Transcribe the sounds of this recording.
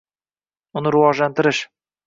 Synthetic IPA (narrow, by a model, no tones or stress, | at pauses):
ʊnɨɾʊwɒʒlant̪ɪɾɪʃ